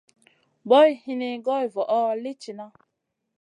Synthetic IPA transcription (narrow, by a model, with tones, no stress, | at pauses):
bɔ˦i˦hi˦ne˨ɡɔ˦i˨vɔ˨ʔɔ˦le˦t͡ʃi˨na˦